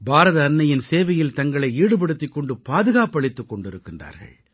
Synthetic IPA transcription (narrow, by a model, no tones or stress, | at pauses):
bʱaːɾɐðɐːnːɐjɪnseːʋɐjɪlt̪ɐŋɡɐɭɐɪiːɽɯp̬ɐɽɯt̪ːɪkːɔɳɖɯpaːðɯɣaːpɐɭɪt̪ːɯkːɔɳɖɪɾɯkːɪndra̰ːɾɣɐ̰ɭ